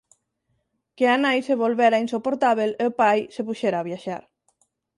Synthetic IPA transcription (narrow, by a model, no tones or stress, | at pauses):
keanajseβolβeɾainsopoɾt̪aβ̞eleopajsepuʃɛɾaːβjaʃa̰ɾ